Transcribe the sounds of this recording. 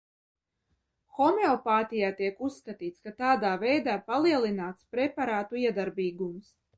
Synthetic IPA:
xɔmeɔpaːt̪ʲijaːt̪iɛkusːkat̪iːt̪skat̪aːd̪aːvɛjd̪aːpalˠiɛlˠinaːt̪spɾepaɾaːt̪uiɛd̪aɾbiːɡums

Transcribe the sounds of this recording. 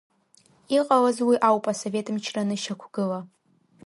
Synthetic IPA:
iqʼalazwiʔawpʼaso̞ve̞tʼɨmt͡ʃʰranɨʃakʷʰɡ̥ɨla

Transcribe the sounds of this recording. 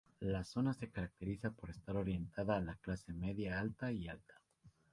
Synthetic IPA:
laso̞nase̞kaɾak̚t̪e̞ɾisapo̞ɾe̞st̪aɾo̞ɾje̞nt̪aðaːlaklase̞me̞ðjaalt̪aialt̪ḁ

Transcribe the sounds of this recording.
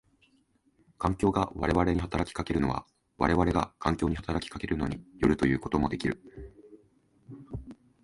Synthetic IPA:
kãŋkʲo̞ːɡaβa̰ɾe̞βaɾe̞ɲ̟iɦat̪aɾakʲi̥kake̞ɾɯ̟noβa̰ | βa̰ɾe̞βaɾe̞ɡakʰãŋkʲo̞ːɲ̟ihat̪aɾakʲi̥kake̞ɾɯ̟no̞ɲ̟ijo̞ɾɯ̟t̪o̞jɯ̟ːko̞t̪o̞mo̞d̪e̞kʲiɾɯ̟

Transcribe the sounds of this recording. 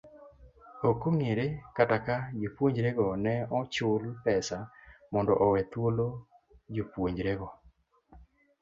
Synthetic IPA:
okoŋeɾekatakad͡ʒopwoɲd͡ʒɾeɡɔnɛɔt͡ʃʊlpɛsamɔndɔʔɔwɛt̪wolo | d͡ʒopwoɲd͡ʒɾeɡɔ

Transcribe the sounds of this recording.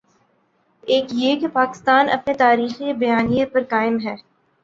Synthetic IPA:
eːkjekepaːkɪ̥st̪aːnʔɐ̰pnet̪aːɾiːxiebɐjaːnijət̪̚pɐɾkaːɪmɦɛː

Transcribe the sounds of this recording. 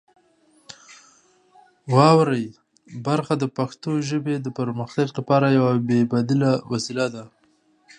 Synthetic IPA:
wɑwɾəj | baɾxad̪əpaxt̪oʒəbed̪əpəɾməxt̪aɡlapɑɾajawabebad̪ɪlawasilad̪a

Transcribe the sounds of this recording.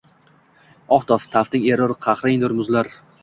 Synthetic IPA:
ɒχt̪ʰɒft̪ʰaft̪ɪŋʲe̞ɾɒɾqʰɑχɾɪŋd̪ʊɾmʊzlaɾ

